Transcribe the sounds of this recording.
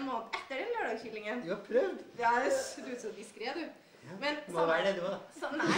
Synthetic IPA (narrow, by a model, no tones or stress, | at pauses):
nmoːnət̪ɛt̪ːəɖɛnløːɖɑːɡçɪlːɪŋənd̪ʉhɑɾpʰɾœʋd̪ɑd̪ʉsɔd̪ɪskɾeːd̪ʉ | mɛnɔʋæːɾəd̪ɛd̪ʉʋɑsɔn